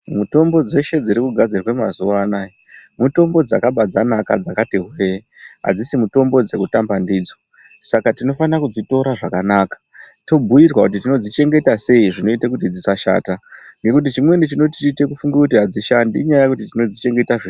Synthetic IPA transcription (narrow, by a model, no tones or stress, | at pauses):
muto̞mbo̞d͡ze̞ʃe̞d͡ziɾikuɡʱad͡zirwe̞mazuʋaːnaimuto̞mbo̞d͡za̰kaɓad͡zanaka̰d͡zakatiɦwei | ɦa̰d͡zisimuto̞mbo̞d͡ze̞kutambandiːd͡zo | sakatino̞fanakud͡zito̞ɾaʐakanaːkḁto̞bʱujirwakut̬itino̞d͡zit͡ʃe̞ŋɡe̞tase̞iʐino̞itekutid͡zisaʃa̰ːtaŋɡe̞kut̬it͡ʃimwe̞nit͡ʃino̞tit͡ʃiːte̞kufuŋɡakutiɦad͡ziʃandiɲajajakutitino̞d͡zit͡ʃe̞ŋɡe̞taʐe